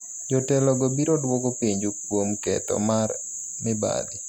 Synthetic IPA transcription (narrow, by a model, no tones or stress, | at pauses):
d͡ʒɔtɛlɔɡɔbiɾɔdwɔkopiɲd͡ʒʊkwomkɛ̰t̪ɔ̰mar | mɪba̰li